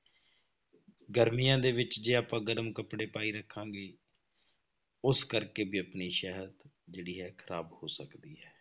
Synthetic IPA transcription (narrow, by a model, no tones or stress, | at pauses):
ɡəɾmijãːd̪eːʋɪt͡ʃd͡ʒeːaːpãːɡəɾəmkəpɽeːpaːiːɾəkʰːãːɡeː | ʊskəɾkeːbiːəpniːʃɛɦəd̪ | d͡ʒeːɽiːɦɛːkʰəɾaːbhoːsəkd̪iːɦɛː